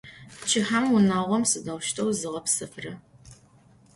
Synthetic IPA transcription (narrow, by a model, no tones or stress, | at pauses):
t͡ʃʰɪħamwʊnaːʁʷɔmsɨdɐwʃtʰɐwzɨʁɐpsɨfrɨ